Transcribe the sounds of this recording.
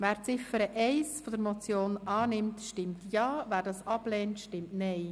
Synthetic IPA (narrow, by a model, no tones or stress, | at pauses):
væːɾt͡sɪfəɾəʔɛɪsfɔd̪əɾmɔt͡sjoːnɑːnɪmtʃtɪmtjɑːvæːɾdɑːsɑb̥lɛːntʃtɪmtnɛɪ